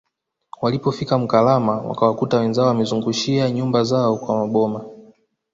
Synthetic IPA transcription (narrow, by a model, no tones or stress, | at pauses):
walipɔfikam̩kalamawa̰kawakutawɛnzaɔwamɛzuŋɡuʃiaɲumbazaɔkwamaɓɔma